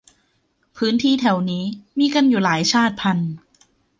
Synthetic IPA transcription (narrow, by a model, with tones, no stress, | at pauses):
pʰɯː˦˥nt̪ʰiː˥˩t̪ʰɛ˨˩wniː˦˥miː˧ka˧njuː˨˩laː˩˦jt͡ɕʰaː˥˩t̪̚pʰa˧n